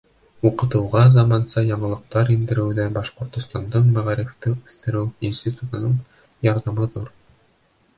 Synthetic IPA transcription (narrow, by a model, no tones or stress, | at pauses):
uqɤ̆t̪ɤ̆wʁɑzɑmɑnsɑjɑɴɤ̆lˠɤ̆q̚t̪ɑɾind̪ɘ̆ɾɘ̆wðæbɑʃqŏɾt̪ŏst̪ɑnd̪ɤɴmæʁæɾɘft̪ɘʉθt̪ɘ̆ɾɘwinsʲt̪ʲit̪ut̪ɤ̆nɤɴ | jɑɾðɑmɤðuɾ